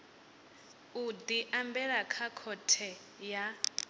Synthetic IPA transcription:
ud̪iʔambɛɺakʰakʰɔtʰɛ | ja

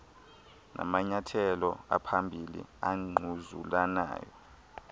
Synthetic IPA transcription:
nʔa̰maɲatʰɛlɔa̰pʰambʱilḭaŋ͡ǃʱuzulana̰ːjɔ̰

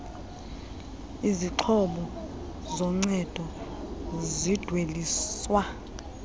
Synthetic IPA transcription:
iziǃʰɔɓɔ | zɔŋ͡ǀɛd̥ʱɔ | zid̥ʱweliːswa

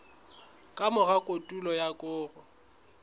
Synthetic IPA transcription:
kʼamʊɣakʼotʼulɔjakʼʊːrʊ

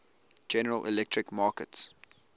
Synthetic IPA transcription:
d͡ʒɛnəɹəlʔɪ̰lɛk̚tʰɹɪkmɑːkəts

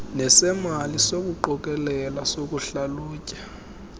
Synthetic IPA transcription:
nɛsɛmalisok̬uǃɔk̬ʼɛlɛlasok̬uɬaluːcʼḁ

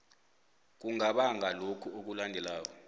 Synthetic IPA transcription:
k̬uŋaɓaŋʱalokʰuok̬ulandʱɛlaːk̬ɔ

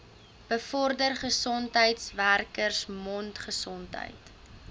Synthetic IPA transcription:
b̥əfɔrdərχəsɔntɦəjtsværkərsmɔntχəsɔntɦə̰jt

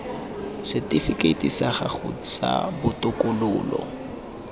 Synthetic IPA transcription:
sɛtifikʼeitisaχaχʊ̰t͡sa̰bʊtʊkʊlʊːlɔ̰

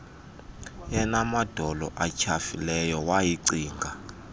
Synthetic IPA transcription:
jɛnamad̥ʱɔlɔ̰ʔat͡ʃʰafilɛjɔwajiǀiːŋɡʱa

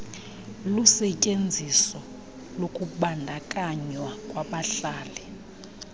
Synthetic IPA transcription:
lusɛcʼend͡zʱisɔ | lokʼuɓandʱakʼaɲwakʼwaɓaɬaːlɛ

